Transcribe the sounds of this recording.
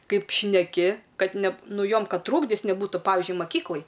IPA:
ˈkɐɪp ʃʲnʲɛˈkʲɪ ˈkɐt nʲɛ ˈnʊ ˈjoːm ˈkɐt ˈtruːɡdʲɪs nʲɛˈbuːtʊ ˈpɑːʋʲɪʒʲʊɪ mɐˈkʲiːklˠɐj

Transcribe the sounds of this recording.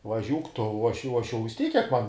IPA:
ʋɐˈʒʲuːk tʊ oː ˈɐʃ jɛʊ oː ˈɐʃ jɛʊ ʋʲɪs ˈtʲiːk kʲiɛk mɐn

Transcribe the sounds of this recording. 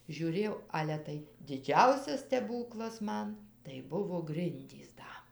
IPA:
ʒʲuːˈrʲeːjɛʊ ˈɑːlʲɛ tɐɪ dʲɪˈd͡ʒʲɛʊsʲɛs sʲtʲɛˈbuːklˠɐs ˈmɐn tɐɪ ˈbʊʋoː ˈɡrʲɪnʲdʲiːs ˈdɐ

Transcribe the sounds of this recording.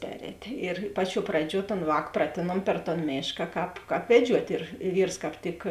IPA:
ˈpʲæːrʲɛːtʲeː ɪr ˈpɑːˌt͡ʃʲuɔ ˈprɑːˌd͡ʒʲuɔ toːn ˈʋɑːk ˈprɑːtʲeːnuɔm pʲɛr toːn ˈmʲeːʃkɐ ˈkɑːp ˈkɑːp ʋʲɛˈd͡ʒʲuɔtʲ ɪr ɪ ˈʋʲiːrs kɑːp ˈtʲɪk

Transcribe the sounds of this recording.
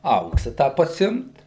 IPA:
ˈɐʊksɑː ˈtɑː pɐˈsʲɪmt

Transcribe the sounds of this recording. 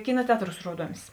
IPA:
ˈkʲɪnɐ ˈtʲɛɐtˌruːs ˈruɔduɔmʲɪs

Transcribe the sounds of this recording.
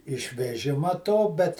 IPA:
ɪʃʲʋʲɛˈʒʲɪmɐ ˈtoː ˈbʲɛt

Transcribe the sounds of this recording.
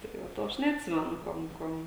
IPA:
tɐɪ ˈʋɐ ˈtoː ˈɐʃ nʲɛɐtʲˈsʲɪmʲɛnʊ ˈkuɔm ˈkuɔm

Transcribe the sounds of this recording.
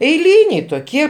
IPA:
ɛɪˈlʲiːnʲɛɪ toːˈkʲiɛ

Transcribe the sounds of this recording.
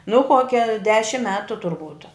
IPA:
nʊ ˈkoːkʲɛ ˈdʲæːʃʲɪm ˈmʲæːtʊ tʊrˈbuːt

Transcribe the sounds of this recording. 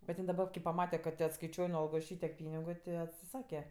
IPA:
bʲɛt ˈjɪn dɐˈbɐ kɐɪ pɐˈmɑːtʲɛ kɐt tʲeː ɐtskɐɪˈt͡ʃʲuɔj nʊ ˈɐlˠɡoːs ˈʃʲiːtʲiɛk ˈpʲiːnʲɪɡʊ tʲɪ ɐtʲsʲɪˈsɑːkʲɛ

